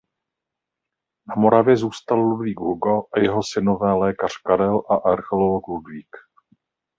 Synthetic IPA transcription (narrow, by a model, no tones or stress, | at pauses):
namo̞ɾavjɛzuːst̪allubviːɡɦuɡaʔajɛɦo̞sɪno̞vɛːlɛːkar̝̥kaɾɛlʔaʔaɾxɛlolokludviːk